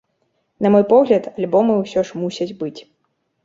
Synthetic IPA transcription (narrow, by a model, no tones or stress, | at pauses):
nɐmɔjpɔɣlʲɐt̪ɐlʲbɔmɨwsʲɔʂmusʲɐd͡zʲbɨt͡sʲ